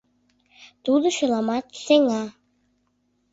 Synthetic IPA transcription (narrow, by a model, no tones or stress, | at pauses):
t̪ud̪oʃølˠɑmɑt̪seŋɑ